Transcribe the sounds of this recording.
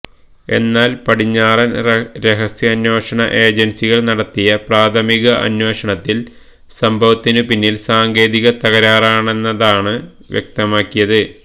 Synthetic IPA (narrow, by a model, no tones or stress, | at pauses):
e̞̰nːaːlpɐɽiɲːaːrɐnɾeɦɐsjɐːnːwo̞ːʂɐɳɐʔe̞ːd͡ʑensiɣɐɭnɐɽɐt̪ːijɐpraːt̪ʰɐmiɣɐʔɐ̰nwo̞ːʂɐɳɐt̪ːil | sɐmbʱɐʋɐt̪ːinɨpinːilsaːŋɡe̞ːðiɣɐt̪ɐɣɐɾaːraːɳe̞nːɐðaːɳɨ | ʋjek̚t̪ɐmaːkːijɐðɨ